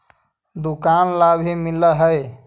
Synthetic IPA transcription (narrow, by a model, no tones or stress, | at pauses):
d̪ukanlabʱemiləɦəj